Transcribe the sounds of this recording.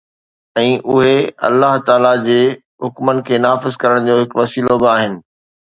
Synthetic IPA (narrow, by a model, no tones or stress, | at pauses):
ɛ̃ːʔʊɦeɐ̰lːaɦt̪aːlad͡ʑeː | ɦʊkmənɪ̆kʰeːnaːfɪzkɐɾəɽ̃d͡ʑoːɦɪkʋɐsiːlobɪaːɦɪnɪ̆